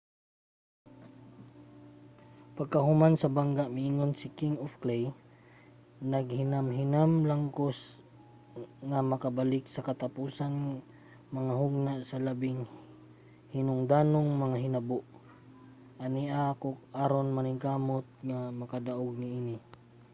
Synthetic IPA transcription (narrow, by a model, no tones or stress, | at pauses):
paɡ̚kaɦʊmansɐbaŋɡaʔmɪiŋonsɪkiŋofklej | nɐɡ̚hɪnamɦɪnamlaŋkos | ŋamɐkabalɪk̚sɐkat̪apuːsan | mɐŋaɦʊɡ̚naʔsɐlabɪŋ | hɪnʊŋd̪aːnoŋmɐŋaɦɪnaboʔ | ʔaniʔakoʔaɾonmanɪkaːmot̪̚ŋamɐkad̪aʔoɡ̚nɪini